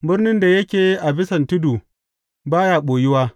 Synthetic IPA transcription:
bɪ˦rnɪ˦nda˨jɐ˦kʲeː˨˦ʔa˨bɪ˦sɐ˨ntɪ˦du˨ | baː˦jaː˦ɓoː˨ji˦waː˦

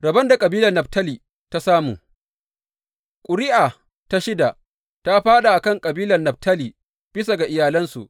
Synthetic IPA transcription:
ɽɐ˨bɐ˦nda˨kʼɐ˨biː˦lɐ˨nːɐ˨btɐ˦liː˨ | ta˦saː˦muː˨ | kʷʼʊ˨ɾɪ˦ʔaː˨ | ta˦ʃɪ˦da˨ | ta˦ɸaː˦ɗa˨ʔa˨kɐ˦ŋkʼɐ˨biː˦lɐ˨nɐ˨ɸ̚tʰɐ˦liː˨ | b̥ɪ˦sa˨ɡa˨ʔɪ˨jaː˨lɐ˦nsu˨ʔ

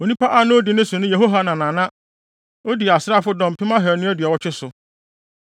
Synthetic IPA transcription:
o˨nĩ˦pa˦ʔa˦nʊ̃˦o˦dɪ˨nʊ̃˦sʊ̃˨nʊ̃˦je˨ɦo˦ɦa˦nã˨nã˨nã˦ | o˦di˨a˨sɾa˦˨fʊ˦dɔ̃˨m̩˨pʰɪ˦mã˦ɦɛ˨˦nʊ̃˦æ˦dɥa˨wɔ˦t͡ɕʰᶣɪ˦sʊ˨

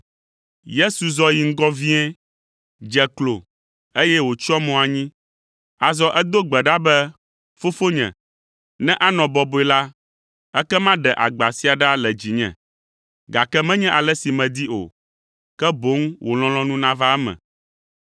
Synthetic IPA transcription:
je˦su˨zɔ˦ji˨ŋ̩˦ɡɔ˦vi˦ɛ̃˦ | d͡ʒɛ˨klo˨ | e˦jɛ˦wo˨t͡ʃɔ˦mɔ̃˨a˨ɲĩ˦ | a˨zɔ˦ʔɛ˦d̪o˦ɡ͡bɛ˨ɖa˦bɛ˦ | fo˦fo˦ɲɛ̰̃˨ | nɛ̃˦ʔa˦nɔ̃˨bɔ˨bo˨˦ɛ˨la˦ | ɛ˦kɛ˦mã˦ɖɛ˨ʔa̰˨ɡ͡ba˨si˦a˨ɖa˦lɛ˨d͡ʑi˨ɲɛ̰̃˨ | ɡa˨kɛ˦mɛ̃˦ɲɛ̃˦ʔa˨lɛ˦si˨mɛ̃˨d̪i˦o̰˨ | kɛ˦bo˨˦ŋwʔo˨l̃ɔ̃˨lɔ̃˦nũ˦nã˦va˦ɛ˦mɛ̰̃˨

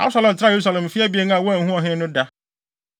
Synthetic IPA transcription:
a̰˦ʊ˦sa˨˦lɛ̃˨tʰɪɾa˦je˨ɾu˦sa˨lɛ̃˨m˨fi˦ɛ˦bi˨˦e˦n˦ã˨wɔ̃˦ã˨n̩˨hũ˦ɔ˨ɦɪ̃˦nʊ̃˦da˦

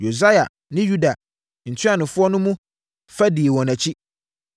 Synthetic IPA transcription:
jo˨za˦ja̰˨ | nɪ̃˦ju˦da˨ | n̩˨tʰɥa˦nʊ̃˨fʊ˦ɔ˦nʊ̃˦mũ˦ | fa˦di˨e˨wɔ̃˨næ̃˨t͡ɕʰi˦

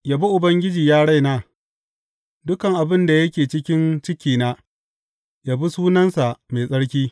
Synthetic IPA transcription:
ja˦bi˦ʔʊ˨bɐ˦ŋɡʲɪ˦d͡ʒiː˨jaː˦ɽa˦jnaː˦ | dʊ˦kɐ˨ŋʔa˨bɪ˦nda˨jɐ˦kʲeː˨t͡ʃɪ˦kʲɪ˦nt͡ʃɪ˦kʲiː˨naː˦ | jaː˦bi˦suː˦nɐ˦nsa˨ʔme˨sʼɐ˦ɽkʲiː˦

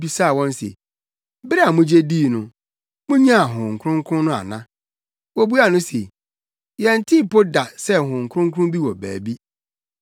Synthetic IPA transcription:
bi˦sa˦˨wɔ̃˦n˦sḛ˨ | bɪ˦ɾa˨mʊ̃˦d͡ʑe˦diː˦˨nʊ̃˨ | mʊ̃˦ɲã˦a˨ɦʊ̃˨ŋ̩˨kʰʊ˦ɾʊ̃˦ŋkʰʊ̃˦nʊ̃˦a̰˨nã˦ | wo˦bu˦a˨nʊ̃˦se˨ | jɛ˨n̩˨tʰi˦pʰo˦da˨sɛ˦ɦʊ̃˨ŋ̩˨kʰʊ˦ʊ̃˦ŋkʰʊ˦ʊ̃˦bi˦wɔ˨bæ̰ː˨bi˦

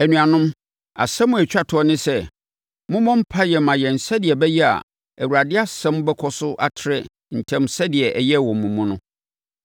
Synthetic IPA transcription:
æ˨nũ˨a˨nʊ̃˦m | a̰˨sɛ̃˦mʊ̃˦æ˨t͡ɕᶣa˦tʰʊ˨ɔ˦nɪ̃˦sɛ˦ | mʊ̃˦mɔ̃˦m̩˦pʰa˦jɛ˨mã˨jɛ˨n̩˨sɛ˦dɪ˨ɛ˨bɛ˦jɛ˦a̰˨ | æ˨wu˨ɾa˨dɪ˦a˦sɛ̃˦m˦bɛ˦kʰɔ˦sʊ˦ʔa˦tʰɪ˦ɾɛ˦ | n̩˨tʰɛ̃˦msɛ˦dɪ˨ɛ˨ʔɛ˨jɛ˦˨wɔ̃˨mːũ˨mũ˦nʊ̃˦

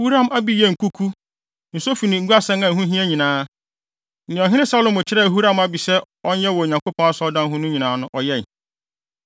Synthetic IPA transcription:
hu˦ɾã˦˨ma˦bi˨˦jɛ˦˨ŋ̩˨kʰu˦kʰu˦ | n̩˨so˦fi˨nĩ˨˦ɡu˦a˦sɛ̃˦ŋã˨ɦũ˦ɦĩ˦æ˦ɲĩ˨nãː˦ | ñ̩˨ɔ̃˨ɦɪ̃˦nɪ̃˦sa˦lõ˨mʊ˨t͡ɕʰɪ˦ɾɛ˦˨ɦu˦ɾã˦˨ma˦bi˨sɛ˦ | ɔ˦n˦jɛ˦wɔ˨ɲã˨ŋko˦pʰɔ̃˦a˦sɔ˦dã˦n˦ɦʊ̃˦nʊ̃˦ɲĩ˨nãː˨˦nʊ̃˦ʔɔ˨jɛ˦˨n˨

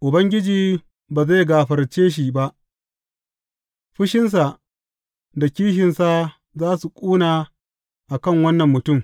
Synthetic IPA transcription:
ʔʊ˨bɐ˦ŋɡʲɪ˦d͡ʒiː˨ | baː˨za˦˨ɡaː˨ɸɐ˨rt͡ʃeː˦ʃ̬i˨ba˦ʔ | ɸɪ˦ʃɪ˦ns̬a˨ | da˨kʲiː˦ʃɪ˨nsa˦˨ | zaː˦su˨kʷʼuː˦naː˨ | ʔa˨kɐ˦˨ŋwɐ˦nːɐ˨mːʊ˨tʊ˦˨m

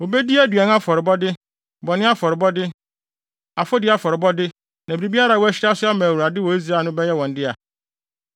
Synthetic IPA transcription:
wo˨bɛ˦di˦æ˦dɥa˨n˦a˦fɔ˨ɾɪ˨bɔ˦dɪ˦ | bɔ˨nɪ̃˦a˦fɔ˨ɾɪ˨bɔ˦dɪ˦ | a˨fɔ˦dɪ˦a˦fɔ˨ɾɪ˨bɔ˦dɪ˦ | nã˨bi˨ɾi˨bi˦a˦ɾa˨wɔ˦æ˦ɕɪ˦ɾa˦sʊ˦a˦mã˨wa˨dɪ˦wɔ˨i˦s̬ɾa˨˦˨nʊ̃˦bɛ˦jɛ˦wɔ̃˨n˦dɪ˦a˨

